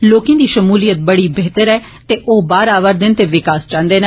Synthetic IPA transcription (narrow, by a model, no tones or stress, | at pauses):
loːkẽːd̪iːʃəmuːlijət̪̚bəɽiːbɛːt̪əɾɛː | t̪eːʔoːbaːɾaːʋəɾd̪ɪnt̪eːʋɪkaːst͡ʃãːnd̪eːn